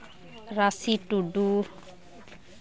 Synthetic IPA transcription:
ɾasiʈuɖu

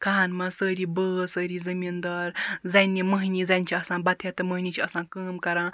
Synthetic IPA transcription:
kʰɐɦɐnmɐ̃səːɾibəːsəːɾizɐmind̪ɐːɾzɐnʲːiməɦnʲizɐnʲt͡ʃʰiɐsãːbɐt̪ʰet̪ɨməɦnʲit͡ʃʰiɐsãːnkəːmkɐɾãː

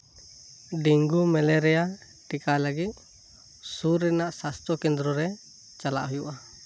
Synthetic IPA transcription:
ɖiŋɡumɛlɛɾɛja | ʈikaləɡit̪̚ | suɾɛnaʔsast̪ɾɔkɛnd̪ɾɔɾɛ | t͡ʃala̰ʔɦujuʔa

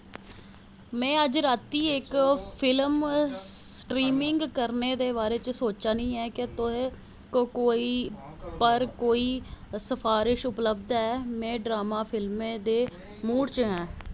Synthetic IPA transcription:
mɛ̃ːəd͡ʒɾaːt̪ːiːɪkpʰɪlmsʈɾiːmɪŋɡkəɾneːd̪eːβaːɾeːt͡ʃsoːt͡ʃaːnĩːɛːkɪt̪ʊɦeː | kokoːiː | pəɾkoːiːsəpʰaːɾɪʃʊpləbd̪aːɛːmɛ̃ːɖɾaːmaːpʰɪlmẽːd̪eː | muːɽt͡ʃɦɛ̃ː

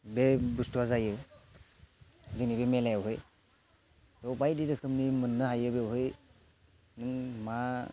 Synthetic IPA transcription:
bebustʰuwazajɯ | zɯŋnibemelajwɦɯj | dɔwbajdiɾɯkʰɯmnimɯnːɯɦajɯbewɦɯj | nɯŋma

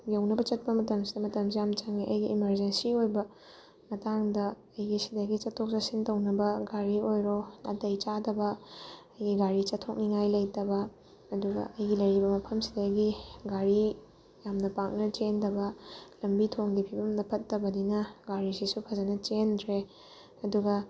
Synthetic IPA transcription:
jewnɐbɐt͡ʃɐt̚pɐmɐtɐmsidɐmɐtɐmsijamt͡ʃaŋiʔɐjɡiːmɐɾd͡ʒensiojbɐ | mɐtaŋdɐː | jɡisidɐɡit͡ʃɐtʰːok̚sɐsintɐwnɐbɐɡaɾiojɾoɐ̰tɐjt͡ʃadɐbɐː | jɡiɡaɾit͡ʃɐtʰːok̚niŋajlɐjtɐbɐ | ɐduɡɐ̰ʔɐjɡilɐɾibɐmɐpʰɐmsi̥dɐɡiɡaɾi | jamnɐpak̚nɐt͡ʃendɐbɐlɐmbitʰoŋɡipʰibɐmnɐpʰɐtːɐbɐdinɐɡaɾisisupʰɐzɐnɐt͡ʃendɾe | ɐduɡɐ

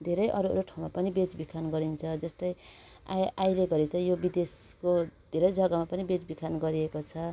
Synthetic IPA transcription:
d̪ʱeɾʌjʔʌɾuɾoʈʰaw̃mapʌnibet͡sbikʰanɡʌɾint͡sʰʌd͡zʌst̪ʌj | ajleɡʌɾit̪ʌjobid̪eskod̪ʱeɾʌjd͡zʱʌɡamapʌnibet͡sbikʰanɡʌɾiekot͡sʰʌ

